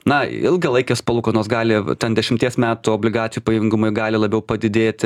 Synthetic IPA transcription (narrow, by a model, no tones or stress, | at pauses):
nɐɪlˠɡɐlˠɐɪkʲespɐlˠuːkonoːsɡɑːlʲɪt̪ʲɛnd̪ʲɛʃʲɪmʲt̪ʲiɛsmʲæːt̪uoːbʲlʲɪɡɑːt̪sʲɪjupɐjʊŋɡʊmoɪɡɑːlʲɪlˠɐbʲɛʊpɐd̪ʲɪd̪ʲeːt̪ʲ